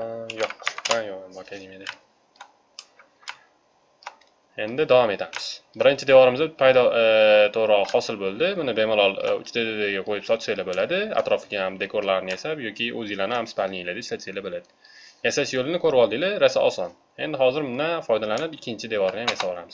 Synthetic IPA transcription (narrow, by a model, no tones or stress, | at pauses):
joʃanjomakʲʰad̪imed̪a | e̞nd̪ɪd̪avɒme̞t̪ʰamɪz̥bɪɾɪnt͡ʃʰɪd̪evɒɾɪmɪzapʰajd̪ɒt̪ʰoɾɒhɒsɪlbolˠd̪ɪmʊnɪbe̞mɪlˠɒlˠʊ̰t͡ʃʰd̪ad̪d̪aɡʲaqʰojɪpsɒt̪sajlabolad̪ɪa̰t̪ɾɒfɪɡʲajamd̪e̞kʰoɾlaɾɪnɪjesapjɒkʲʰɪɵzjɪlanɪhamsɪ̥palɪelad̪ɪʃlat͡ʃ̪sajlabolad̪ɪ | jasaʃjolɪnɪkʰɵɾɪpɒlˠd̪ɪlɪɾasaɒ̰sɒn | e̞nd̪ɪhɒzɪɾmʊnafɒjd̪alanɪpɪkʲʰːɪnt͡ʃʰɪd̪evɒɾnɪjamjasabɒlˠamɪz̥